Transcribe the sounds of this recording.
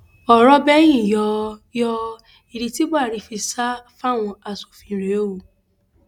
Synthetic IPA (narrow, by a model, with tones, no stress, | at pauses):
ɔ˨ɾɔ˦bɛ˦j̃ĩ˦˨jɔ˧jɔ˧ | i˨ɾi˧ti˦ɡ͡ba˦˨ɾi˧fi˧sa˦fa˦˨w̃ɔ̃˧a˨˧˨so˨fĩ˨˧˨ɾe˨˦o˦wo˨